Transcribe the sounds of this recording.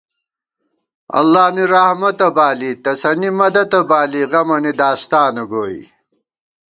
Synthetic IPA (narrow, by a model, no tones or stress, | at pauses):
ɐ̰lːaːniɾɐhmɐt̪ɐbaːlit̪ɐsɐnimɐd̪ɐt̪ɐbaːliʁɐmɐnid̪aːst̪aːnɐɡoːḭ